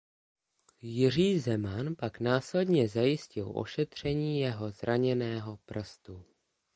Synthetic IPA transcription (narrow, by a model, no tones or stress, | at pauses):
jɪr̝iːzɛmanpaknaːslɛdɲɛzajɪscɪlʔo̞̰ʃɛt̪r̝̥ɛɲiːjɛɦo̞zɾaɲɛnɛːɦo̞pr̩st̪u